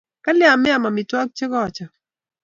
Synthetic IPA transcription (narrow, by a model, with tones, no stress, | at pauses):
ka˦lɪa˨mɪ˦a˨ma˨mɪ˨twɔ˦k̚t͡ʃe˦kɔː˦˨t͡ʃɔ˨